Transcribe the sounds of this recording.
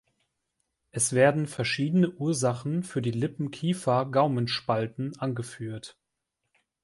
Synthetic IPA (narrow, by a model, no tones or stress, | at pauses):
ʔɛsv̥eːɐdn̩fɛɐʃiːdənəʔuːɐzaχn̩fyːɐdiːlɪpm̩kʰiːfɐɡaʊmənʃpaltn̩ʔanɡəfyːɐt